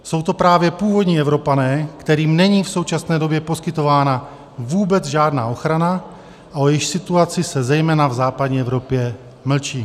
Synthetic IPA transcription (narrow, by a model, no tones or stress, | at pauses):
so̞wt̪o̞pɾaːvjɛpuːvo̞dɲiːɛvɾo̞panɛːkt̪ɛɾiːmnɛɲiːfso̞wt͡ʃasnɛːdo̞bjɛpo̞skɪt̪o̞vaːna | vuːbɛd͡zʒaːdnaːʔo̞xɾana | ʔaojɪʃsɪt̪uat͡sɪsɛzɛjmɛːnavzaːpadɲiːɛvɾo̞pjɛ | ml̩t͡ʃiː